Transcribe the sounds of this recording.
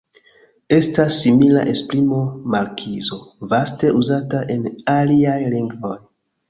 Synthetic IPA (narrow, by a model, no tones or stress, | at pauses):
e̞stasːimila̰ʔe̞spɾimo̞maɾkʰizo̞vaste̞ʔuzataʔe̞naliajliŋɡvo̞j